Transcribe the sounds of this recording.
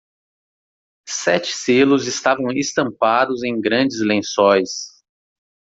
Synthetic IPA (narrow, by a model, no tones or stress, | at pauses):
sɛt͡ʃɪ̥selʊzɪst̪avɐ̃w̃ɪst̪ɐ̃mpad̪ʊzẽj̃ɡɾɐ̃d͡ʒɪzlẽsɔjs